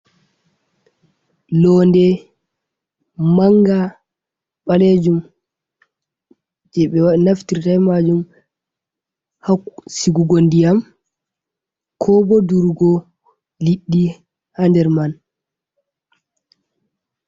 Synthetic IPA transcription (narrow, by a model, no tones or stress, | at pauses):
lɔndɛ | maŋɡa | ɓaled͡ʒum | d͡ʒɛɓɛwanaftiɾtajmad͡ʒum | hasiɡuɡondijam | kʰɔbɔduɾɡɔ | liɗːi | handɛɾman